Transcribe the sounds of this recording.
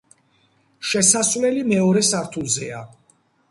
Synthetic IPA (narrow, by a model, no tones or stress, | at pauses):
ʃɛsasvlɛlimɛɔɾɛsaɾt̪ʰulˠzɛa